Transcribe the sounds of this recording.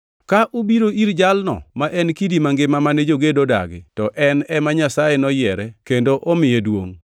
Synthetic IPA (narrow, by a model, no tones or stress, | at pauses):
kaʔubiɾoʔiɾd͡ʒalnɔ̰maʔɛnkidimaŋɡɪmamaned͡ʒoɡedoda̰ɡɪ̰tɔʔɛnɛmaɲasajenɔjɛɾɛkendoʔɔmɪjedwo̰ŋ